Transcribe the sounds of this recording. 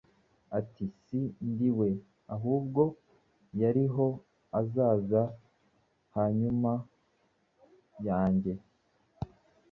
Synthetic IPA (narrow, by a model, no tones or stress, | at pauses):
atisindiwe̞ | aɦuːbɡo̞ | jaɾiɦo̞ | azaːza | haɲuma | jaːɲɟe̞